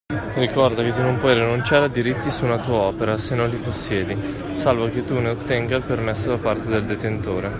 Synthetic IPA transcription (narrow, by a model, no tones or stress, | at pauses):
rikɔrd̪aket̪ːunompwɔjrinunt͡ʃaːɾead̪iɾit̪ːisunat̪uːaɔːpeɾasenːonliposːjɛːd̪i | salvok̟et̪ːuneot̪ːɛŋɡailpermesːod̪apart̪ed̪eld̪et̪ent̪oːɾe